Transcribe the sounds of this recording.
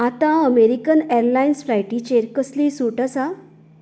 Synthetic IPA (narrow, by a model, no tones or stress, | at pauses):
at̪ãəmeɾikəneɾlainsfɾajʈit͡ɕeɾkəslisuʈəsa